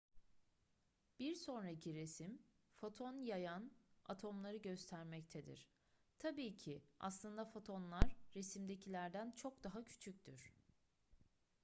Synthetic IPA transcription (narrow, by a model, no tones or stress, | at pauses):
b̥iɾso̞nɾacʰiɾesim | fo̞t̪ʰo̞njajana̰t̪ʰo̞mlˠaɾɯɟø̞st̪ʰæɾmɛc̚t̪ʰed̪ḭɾ̥ | t̪ʰabiːcʰia̰slˠɯnd̪afo̞t̪ʰo̞nlˠaɾːe̞simd̪e̞cʰilʲæɾd̪ænt͡ʃʰo̞k̚d̪aɦacʰy̥t͡ʃʰyc̚ʲt̪ʰyɾ̥